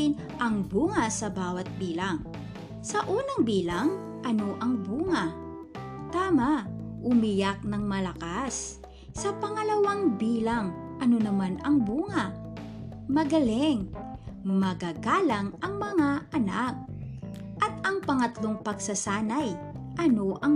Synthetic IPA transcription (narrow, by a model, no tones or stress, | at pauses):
ɪn | ʔɐŋbuːŋɐsɐbaːwɐt̪̚biːlaŋ | sɐʔuːnɐŋbiːlaŋ | ʔɐno̞ʔɐŋbuːŋɐ | t̪aːmaʔʊmɪjak̚nɐŋmɐlɐkas | sɐpɐŋɐlɐwaŋbiːlɐŋʔɐno̞nɐmanɐŋbuːŋɐ | mɐɡɐlɛŋ | mɐɡaːɡaːlɐŋɐŋmɐŋaʔɐnak̚ | ʔɐt̪ɐŋpɐŋɐt̪loŋpɐɡsɐsaːnɐjʔɐno̞ʔɐ